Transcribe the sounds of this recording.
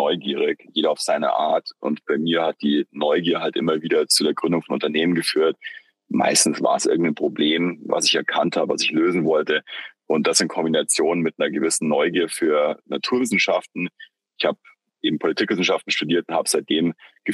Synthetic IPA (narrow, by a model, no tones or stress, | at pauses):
nɔʏɡiːʁ̞ɪkjeːɾɐaʊfz̥aɪnɐ̰ʔa̰ːɐtʔʊ̰ntb̥aɪmiːɐhat̚d̥iːnɔʏɡiːɐɦaltʔɪ̰mɐviːdɐt͡suːdeːɐɡʁʏndʊŋfɔnʔʊ̰ntɐneːmənɡəfyːɐt | ma̰ɪstn̩sva̰ːɐəsʔɪ̰ɐɡŋ̩tnpʁ̥obleːmva̰sɪçɛɐkʰantha̰ːbəva̰sɪçløːzn̩vɔltəʔʊnt̚d̥asz̥ɪntkʰɔmbinat͡sjoːnənmɪt̚nɐɡəvɪsn̩nɔʏɡiːɐfyːɐnatʰuːɐvɪsn̩ʃaftn̩ | ɪçhaːb | ʔeːbm̩pʰolitʰiːkv̥ɪsn̩ʃaftn̩ʃtudiːɐtʊnthaːbəz̥aɪt̚d̥eːmɡ̥ə